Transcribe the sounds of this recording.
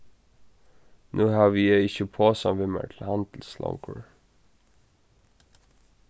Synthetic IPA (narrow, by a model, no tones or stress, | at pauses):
nʔuːhɑːʋiːjæɪɪçəpʰoːsɔmʋɪmə̰ʈʰl̩hɑnd̪l̩slɔ̰ŋkʰə̰ɹ